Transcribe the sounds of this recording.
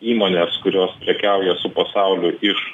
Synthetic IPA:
iːmoːnʲeːskʊɾʲoːspʲlʲɛkʲæˑʊjɛsʊpɐsɑˑʊlʲʊɪʃ

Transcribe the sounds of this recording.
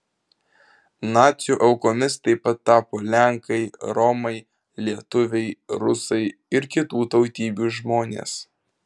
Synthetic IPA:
nɑːt̪sʲjuʔɐʊkoːmʲɪst̪ɐɪpɐt̪ːɑːpoːlʲæŋkɐɪɾɔmɐɪ | lʲiɛt̪ʊʋʲɛɪɾʊsɐɪ | ɪɾkʲɪt̪uːt̪ɒʊt̪ʲiːbʲuːʒmoːnʲḛːs

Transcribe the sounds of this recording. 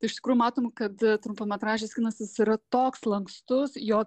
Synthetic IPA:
t̪ɐɪʃt̪ʲɪ̥kɾuːjʊmɑːt̪oːmkɐt̪t̪ɾʊmpoːmʲɛt̪ɾɑːʒʲeːsʲkʲɪnɐsʲɪsiɾɐt̪oːkslˠɐŋkst̪ʊsjoː

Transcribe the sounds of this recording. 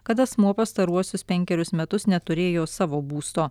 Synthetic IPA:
kɐt̪ɐsmuɔpɐst̪ɐɾuɔsʲʊspʲɛŋʲkʲɛɾʲʊsmʲɛt̪ʊsnʲɛt̪ʊɾʲeːjoːsɑːʋoːbuːst̪oː

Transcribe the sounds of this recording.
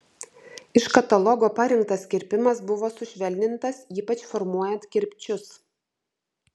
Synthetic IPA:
ɪʃkɐt̪ɐlˠɔɡoːpɐɾʲɪŋk̚t̪ɐskʲɪɾʲpʲɪmɐsbʊʋoːsʊʃʲʋʲɛlʲd̪ʲɪnt̪ɐsiːpɐt͡ʃfɔɾmuɔjɛnt̪kʲɪɾʲpʲt͡ʃʲʊs

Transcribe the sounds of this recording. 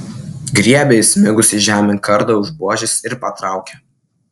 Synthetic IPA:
ɡɾʲiɛbʲɛsʲmʲɪɡʊsʲɪʒʲæːmʲɪnkɐɾd̪ɐˑʊʒbuɔʒʲɪsɪɾpɐt̪ɾɑˑʊkʲɛ

